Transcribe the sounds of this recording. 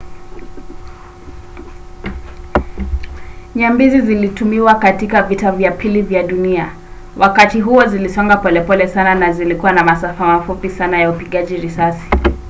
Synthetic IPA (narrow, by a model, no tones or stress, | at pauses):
ɲambizizilitumiwakatikavitavjapʰilivjaɗunia | wʔakatiɦuɔzilisɔŋɡapɔlɛpɔlɛsananazilikuwanamasafamafupisanajaupiɠaʄiɾisasi̥